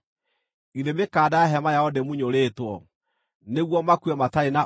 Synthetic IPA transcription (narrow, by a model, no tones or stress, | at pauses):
iðemekaːdaaɦɛmajaodemuɲoɾeːtwɔ | neɣwɔmakwɛmataena